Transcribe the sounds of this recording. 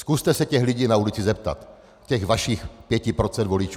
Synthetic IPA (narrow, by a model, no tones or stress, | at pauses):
skust̪ɛsɛcɛɣliɟiːnaulɪt͡sɪzɛp̚t̪a̰t̪ | cɛɣvaʃixpjɛcɪpɾot͡sɛnd̪volɪt͡ʃu